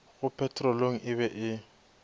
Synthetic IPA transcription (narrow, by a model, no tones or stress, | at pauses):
ɣʊpʰɛtʰʼrɔloŋ̩ʔɪβɛʔɪ